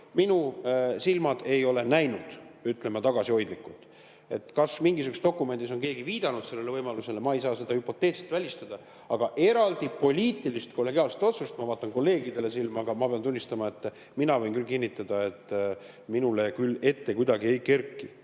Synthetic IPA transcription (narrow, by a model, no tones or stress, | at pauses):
minusilmɑd̪̥e̞jo̞le̞næjnud̪̥yt̪ˑle̞mːɑt̪ɑɡ̥ɑsiho̞jd̪likːˑult̪ | e̞̰t̪ːkɑsmiŋɡisykust̪o̞kːˑume̞nd̪iso̞nke̞ːɡiviːd̪ɑnud̪selːe̞levɤjmɑluse̞le̞mɑejsɑːse̞d̪ɑhypːˑo̞t̪ːˑe̞ːt̪selt̪vælʲist̪ɑd̪̥ɑ | ɑɡ̥ɑʔe̞ɾɑld̪ipo̞lʲiːt̪ːˑilist̪ko̞lːe̞ɡ̥iɑːlset̪o̞t̪sust̪mɑvɑːt̪ːˑɑŋko̞lːe̞ːɡid̪̥e̞le̞silmɑɡ̥ɑmɑpeɑnt̪unʲːist̪ɑmɑe̞t̪ː | minɑvɤ̞jnkylkinʲːit̪ːˑɑd̪̥ɑe̞t̪ː | minule̞kylːe̞t̪ːe̞kujd̪ɑɡie̞jke̞rkːi